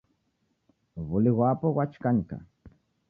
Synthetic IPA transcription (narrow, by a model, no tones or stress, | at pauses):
βʊlɪwapowat͡ʃkanka̰